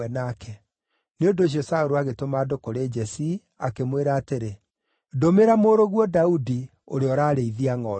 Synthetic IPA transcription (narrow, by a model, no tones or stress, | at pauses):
ɛnakʰɛ | neondoɕ̬iɔsaoɾuaɣetomaːdokoɾed͡ʒɛsi | akemweɾaːteɾe | domeɾamoːɾoɣwɔdaudi | o̰ɾeɔɾaːɾeiðiaŋɔ